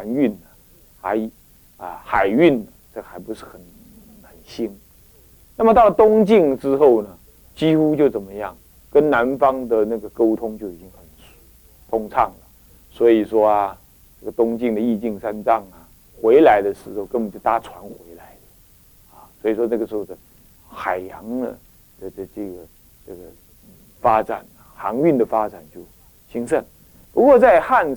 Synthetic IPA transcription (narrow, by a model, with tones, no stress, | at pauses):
a˧˥ny˥˩nə˩ | xa˧˥ɪ | ə̰˧xa˨˩ɪy˥˩nə˨˩ʈ͡ʂə˥ɡə˨xa˧˥ɪpu˧˥ʂɻ̩˥˩xə˨˩n | xə˨˩nɕi˥n | na˥˩mə˨t̪ɑ˥˩ə˨˩t̪ʊ˥ŋt͡ɕi˥˩ŋʈ͡ʂɻ̩˥xo˥˩ʊnə˩ | t͡ɕi˥xu˥t͡ɕjo˥˩ʊt͡sə˨˩nmə˦jɑ˥˩ŋ | kə˥nna˧˥nfɑ˥ŋd̪ə˨na˥˩ɡə˩ko˥ʊt̪ʰʊ˥ŋt͡ɕjo˥˩ʊi˨˩t͡ɕi˦˥ŋxə˨˩n˨˩ | t̪ʰʊ˥ŋʈ͡ʂʰɑ˥˩ŋlə˩ | swɔ˧˥i˨˩ʂwɔ˥a˧ | ʈ͡ʂə˥˩ɡə˩t̪ʊ˥ŋt͡ɕi˥˩ŋd̪ə˩i˥˧t͡ɕi˥˩ŋʂa˥nʈ͡ʂɑ˥˩ŋɐ˩ | xwe˧˥ɪla˧˥ɪd̪ə˧ʂɻ̩˧˥xo˧ʊkə˥nə˨˩t͡ɕjo˥˩t̪a˥˩ʈ͡ʂʰwa˧˥nxwe˧˥ɪla˧˥ɪdə˦ | ɐ˨swɔ˧˥i˨˩ʂwɔ˥na˥˩ɡə˩ʂɻ̩˧˥o˥˩ʊd̪ə˧˩ | xa˨˩ɪjɑ˧˥ŋdə̰˧ | d̪ə˧ə˧˩ʈ͡ʂə˥˩ɡə˩ | ʈ͡ʂə˥˩ɡə˩˥˨ | fa˥ʈ͡ʂa̰˨˩nɐ˨xɑ˧˥ŋy˥˩nd̪ə˩fa˥ʈ͡ʂa˨˩nt͡ɕjo˥˩ʊ | ɕi˥ŋʂə˥˩n | pu˧˥kwɔ˥˧t͡sa˥˧ɪxa˥˧n